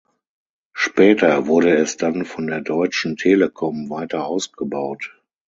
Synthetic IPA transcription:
ʃpʰɛːtɐvʊɐɾəɛsd̥anfɔndeːɐdɔʏt͡ʃn̩tʰeːləkʰɔmvaɪtɐʔaʊsɡ̥əbaʊt

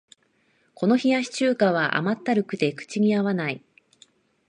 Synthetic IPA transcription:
ko̞no̞çijaɕi̥t͡ɕɨːkaβaʔa̰mat̪ːaɾɯ̟kɯ̟t̪e̞kɯ̟̥t͡ɕiɲ̟iaβanai

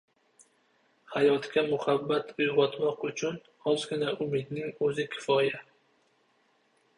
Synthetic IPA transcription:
hajɒt̪kʲamʊhabːat̪ʰʊjʁɒt̪mɒqʊt͡ʃʰʊn | hɒzɡʲɪnaʔʊmɪd̪nɪŋɵzɪkʲʰɪ̥fɒja

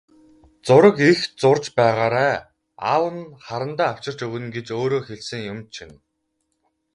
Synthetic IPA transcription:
t͡sʊɾə̆kixt͡sʊrt͡ɕpæːʁaːɾaː | a̰ːwə̆nχaɾə̆nt̪æːaw̥t͡ɕɪ̆r̥t͡ɕɵɣɘ̆nɡet͡ɕoːɾoːxeɮsɘ̆ŋjʊmt͡ɕʰin

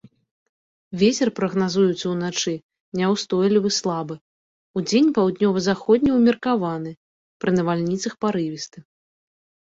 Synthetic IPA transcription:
vʲet͡sʲɛrpɾɐɣnazujut̪sɐwnat͡ʂɨ | nʲɛwst̪ɔjlʲivɨslˠabɨ | ud͡zʲenʲpawd̪nʲɔvɐzaxɔd̪ʲnʲiwmʲɛrkavanɨ | pɾɨnɐvalʲnʲit̪sɐxpaɾɨvʲist̪ɨ

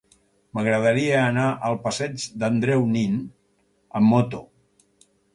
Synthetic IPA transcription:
məɣɾəðəɾiəːnaʔəlˠpəsɛd͡ʒd̪ənd̪ɾɛwnin | əmːot̪o

